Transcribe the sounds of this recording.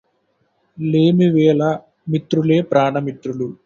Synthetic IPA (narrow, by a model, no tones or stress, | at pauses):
leːmiʋɛːlɐ | mit̪ɾule̞ːpɾaːɳɐmit̪ɾulu